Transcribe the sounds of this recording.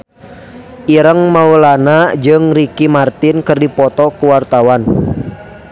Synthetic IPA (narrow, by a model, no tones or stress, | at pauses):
ʔiɾəŋmaulanad͡ʒɨŋɾikimart̪inkərdipɔt̪ɔkuwart̪awan